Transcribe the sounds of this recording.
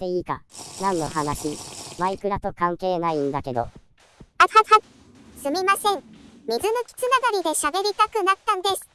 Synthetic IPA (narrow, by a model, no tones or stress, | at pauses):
t̪e̞iːka̰nãnːo̞ɦanaɕimaikɯ̟ɾat̪o̞kãŋke̞ːnaĩnd̪ake̞d̪o̞̰ | at̪at̪a | sɨmʲimasẽ̞ŋmʲizɨno̞kʲi̥t͡sɨnaɡaɾʲid̪e̞ɕabe̞ɾʲit̪akɯ̟nat̪ːãnd̪e̞sɨ̥